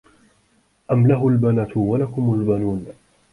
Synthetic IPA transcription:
ʔamlaɦʊlbanat̪walakʊmʊalbanuːn

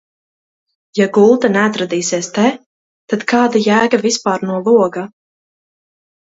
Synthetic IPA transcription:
jaɡulˠt̪anɛat̪ɾad̪iːseɛst̪ɛ | t̪ad̪kaːd̪ajæːɡavispaːɾnuɔlˠuɔɡa

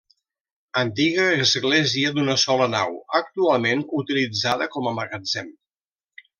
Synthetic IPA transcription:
ənt̪iɣəːzɣleziəd̪unəsɔləna̰wək̚t̪ualˠmenut̪ilid͡zaðəkɔməməɣəd͡zɛm

